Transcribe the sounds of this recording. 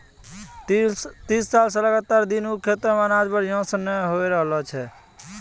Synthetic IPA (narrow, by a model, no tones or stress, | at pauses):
t̪isːalsə̃ləɡat̪ːaɾd̪inukʰet̪ɾmanad͡ʒbəɽjõsəneɦojɾəɦlɔt͡ʃʰɛ